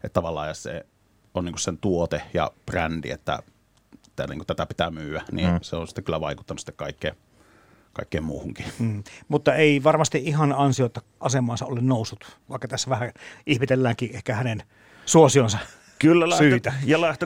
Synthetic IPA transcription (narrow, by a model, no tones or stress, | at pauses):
ʔet̪ːt̪ːɑʋɑlːˑɑ̰ːjɑssḛ | oniːŋkussent̪uot̪ejɑ̰prændḭḛt̪ːæ̰ | t̪ænḭŋkut̪æt̪æpi̥t̪æmyːænḭːnseonsi̥t̪ːekylːæʋɑˑikut̪ːɑnusi̥t̪ːekɑˑikːeː | kɑˑikːeːmmuːhuŋkiːmut̪ːɑeˑiʋɑrmɑst̪iʔʔihɑnɑnsiot̪ːɑʔɑsemˑɑːnsɑʔolennoˑusːut̪ʋɑ̰ˑikːɑt̪æsːæʋæhæʔihmit̪elːæːŋkiʔehkæhænen | suosionsɑ | kylːælæsyt̪æjɑlæht̪o